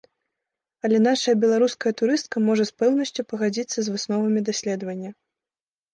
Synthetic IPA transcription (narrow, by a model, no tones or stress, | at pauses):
ɐlʲɛnaʂɐjɐbʲɛlˠaɾuskɐjɐt̪uɾɨst̪̚kɐmɔʐɐspɛwnɐsʲt͡sʲupɐɣad͡zʲit̪sːɐzvɨsnɔvɐmʲid̪asʲlʲɛd̪vɐnʲːɐ